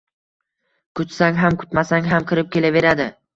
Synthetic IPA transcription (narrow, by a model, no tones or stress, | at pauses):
kʰʊt̪saŋɦamkʰʊ̥t̪masaŋɦamkʲʰɪɾɪp̚kʲʰe̞lave̞ɾad̪ɪ